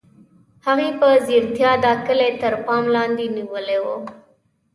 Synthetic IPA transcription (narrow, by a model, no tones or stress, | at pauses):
haɣipəziɾt̪jɑd̪ɑkɪlet̪əɾpɑmlɑnd̪iniwəlewo